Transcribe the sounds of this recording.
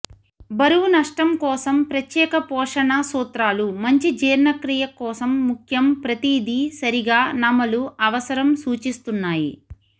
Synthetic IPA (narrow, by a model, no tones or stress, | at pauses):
bɐɾuwunɐʂʈɐmkɔːsɐmpɾɐt̪jɛːkɐpɔːʂɐɳɐsuːt̪ɾaːlumɐɲt͡ʃid͡ʒiːɾnɐkɾijɐkɔːsɐmːukʰjɐmpɾɐt̪id̪isɐɾiɡaːnɐmɐluɐʋɐsɐɾɐmsuːt͡ʃist̪unːaːjḭ